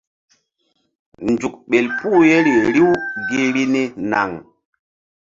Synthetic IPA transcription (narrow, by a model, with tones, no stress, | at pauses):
nd͡ʒu˨k̚ɓe˨lpu˦je˦ɾi˨ɾi˦wɡe˦ɾi˦ne˦na̰˨ŋ